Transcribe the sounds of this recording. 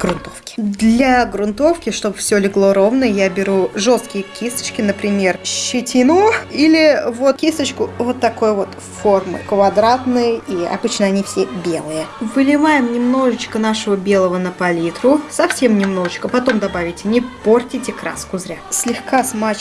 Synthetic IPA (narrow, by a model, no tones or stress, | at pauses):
ɡ̥ɾʊnt̪o̞fkʲɪ̥d̪lʲɐɡɾʊnt̪o̞fkʲɪʂt̪o̞bɨfsʲolʲɪɡlˠo̞ɾo̞vnəjəjabʲɪɾuʐo̞st̪kʲɪjəkʲist̪ə̥t͡ɕkʲɪnəpɾʲɪmʲe̞rɕːɪtʲinuilʲɪvo̞t̪̚kʲisət͡ɕkʊvo̞t̪ːɐko̞jəvo̞t̪ | fo̞rmɨ̰kvɐd̪ɾat̪nəjəiɐ̰bɨt͡ɕnəɐnʲifsʲebʲe̞lˠɨjəvɨlʲɪvajɪmnʲɪmno̞ʐət͡ɕkənaʂəvəbʲe̞lˠəvənəpɐlʲit̪ɾʊsɐfsʲe̞mnʲɪmno̞ʐət͡ɕkəpɐt̪o̞md̪ɐbavʲɪtʲɪnʲɪpo̞rtʲɪtʲɪkɾa̰skʊzɾʲasʲlʲɪxkasmat͡ɕ